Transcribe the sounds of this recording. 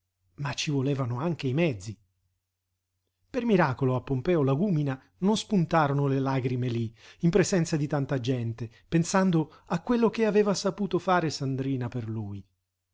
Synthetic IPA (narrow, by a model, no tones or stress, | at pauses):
mat͡ʃːivoleːvanoaŋk̟eimɛd̪zːi | permiɾaːkoloapːompɛːolaɡumina | nonspunt̪aːɾonolelaɡɾimeliimpɾezɛnt̪sad̪it̪ant̪ad͡ʒɛnt̪e | pensand̪o | akːwelːok̟eaveːvasapuːt̪ofaːɾesand̪ɾiːnaperluːj